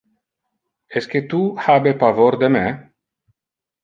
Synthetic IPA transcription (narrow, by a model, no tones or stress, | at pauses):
ɛsk̟et̪uhabepavoɾd̪eme